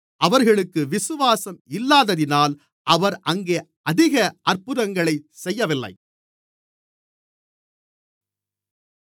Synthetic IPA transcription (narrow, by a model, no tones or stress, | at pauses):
ʔɐʋɐɾɣɐɭɯkːɯʋɪsɯʋaːsɐmɪlːaːðɐðɪnaːl | ʔɐʋɐɾʔɐŋɡeː | ɐðɪɣɐʔɐɾpɯðɐŋɡɐɭɐɪsɛjːɐʋɪlːɐ̰ɪ